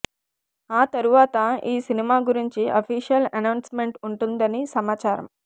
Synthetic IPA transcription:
aːt̪ɐɾuʋaːt̪ɐiːsinimaːɡuɾiɲt͡ʃiʔɐpʰiːʂijɐlɐnɐwnsme̞ɳʈuɳʈund̪ɐnisɐmaːt͡ʃaːɾɐ̰m

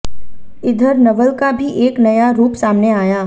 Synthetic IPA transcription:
ɪd̪ʱəɾnɐʋəlkabʱiʔeːknɐjaɾuːpsaːmneaːjaː

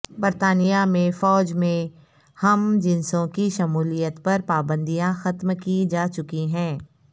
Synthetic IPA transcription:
bɐɾt̪aːnijamẽfɔːd͡ʒmẽ | hɐmd͡ʒɪnsõkiʃɐmuːlijət̪pɐɾpaːbə̃nd̪ijãxɐt̪mkid͡ʒaːt͡ʃʊkiɦɛ̃ː

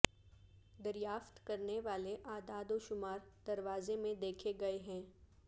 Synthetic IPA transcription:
d̪ɐɾjaːft̪kɐɾneʋaːleʔaːd̪aːd̪oːʃʊmaːɾd̪̥ɐɾʋaːzemẽd̪eːkʰeɡɐeɦɛ̃ː

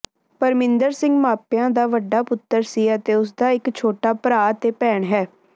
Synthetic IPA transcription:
pəɾmɪ̃nd̪əɾsɪ̃ŋɡmaːpjãːd̪aːʋəɖːaːpʊt̪ːəɾsiːət̪eːʊs̬d̪aːɪkt͡ʃʰoːʈaːpɾaːt̪eːpɛːɳɦɛː

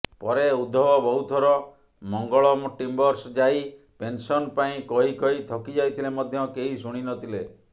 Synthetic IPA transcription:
pɔɾeud̪ʱːɔbɔbɔɦut̪ʰɔɾɔ | mɔŋɡɔɭɔmoʈimbɔɾsd͡ʒaj | pensɔnpaĩkɔɦikɔɦit̪ʰɔkid͡ʒajt̪ʰilemɔd̪ʱjɔkeɦisuɽ̃inɔt̪ʰile

